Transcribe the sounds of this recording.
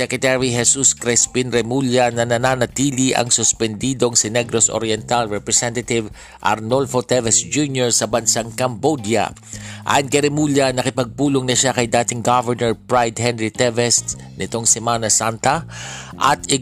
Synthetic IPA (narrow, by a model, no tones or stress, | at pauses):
sɛkɹɛt̪ɛɹiɦɛsuskɾɛspinɾɛmuljanɐnɐnaːnɐt̪iːliʔɐ̰ŋsʊspɛnd̪iːd̪o̞ŋsɪnɛɡɾosʔo̰ɾjɛnt̪alɹɛpɹɛsɛnt̪ɐt̪ɪv | ʔɐ̰ɾnolfot̪ɛvɛsd͡ʒunjoɹsɐbɐnsaŋkɐmbod̪jɐ̰ | ʔa̰ːjʊnkɐjɾɛmuljɐnɐkɪpɐɡ̚puːloŋnɐʃakɐjd̪aːt̪ɪŋɡavɛɹnɛɹpɹajd̪hɛnɹit̪ɛvɛst̪ | nɪt̪o̞ŋsɛmaːnɐsant̪ɐʔɐt̪ɪ